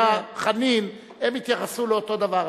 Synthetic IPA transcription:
aχanim | emit̪jaχasuleot̪o̞d̪ava

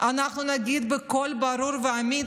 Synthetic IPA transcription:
ʔanaχnunaɡid̪beko̞lbaɾuɾveami

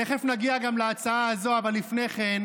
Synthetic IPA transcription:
eχefnaɡiaɡamlaat͡saaːzo̞avalːifne̞χen

